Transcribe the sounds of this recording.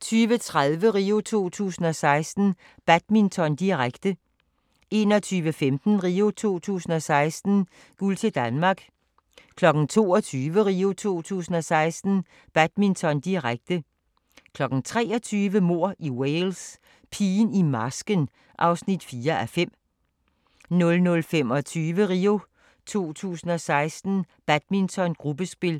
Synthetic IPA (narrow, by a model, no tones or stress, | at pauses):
t͡sʰyːʋət͡sʰʁaðˠʋəʁiːo̝t͡sʰo̝̰ːt͡sʰṵːsn̩ɒ̽sɑ̈ɪsd̥n̩ | b̥æd̥mint͡sʰɒ̽nd̥iʁaɡ̥d̥ə | e̝̰ːnɒ̽t͡sʰyːʋəfemd̥n̩ʁiːo̝t͡sʰo̝̰ːt͡sʰṵːsn̩ɒ̽sɑ̈ɪsd̥n̩ | ɡ̥ult͡sʰe̝d̥ænmɑ̈ɡ̥ | kʰlɒ̽ɡ̥n̩t͡sʰo̝̰ːɒt͡sʰyːʋəʁiːo̝t͡sʰo̝̰ːt͡sʰṵːsn̩ɒ̽sɑ̈ɪsd̥n̩ | b̥æd̥mint͡sʰɒ̽nd̥iʁaɡ̥̚d̥ə | kʰlɒ̽ɡ̥n̩t͡sʰʁɛ̰ːɒ̽t͡sʰyːʋəmo̝ɐ̰ʔiweɪls | pʰiːnimɑsɡ̥ən | ʔɑ̈ʊsnid̥fiːɐʔæfem̰ | nɔ̽lnɔ̽lfem̰ɒ̽t͡sʰyːʋəʁiːo̝ | t͡sʰo̝̰ːt͡sʰṵːsn̩ɒ̽sɑ̈ɪsd̥n̩b̥æd̥̚mint͡sʰɒ̽nɡ̥ʁub̥əsb̥e̝l